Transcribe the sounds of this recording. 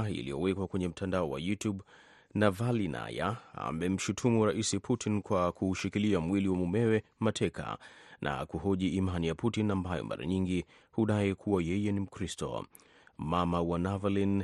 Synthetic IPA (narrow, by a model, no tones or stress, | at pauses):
ḭlijɔwɛkwakwɛɲɛm̩tʰandaɔwa̰jutjub | navalina̰ja̰a̰mɛm̩ʃutʰumuɾaʔisipʰutʰinkwakuːʃikiliamwiliwamumɛwɛmatʰɛka̰nʔa̰kuɦɔʄiimanijaputinambajɔ̰mʔa̰ɾa̰ɲiŋɡi | huɗaɛkʰuwajɛjɛnim̩kɾistɔ̰ | mamawanavalin